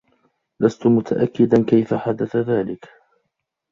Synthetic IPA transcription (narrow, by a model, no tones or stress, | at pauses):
last̪ʊmʊt̪ʰaʔakːɪd̪ankajfaħad̪aθaðaːlɪk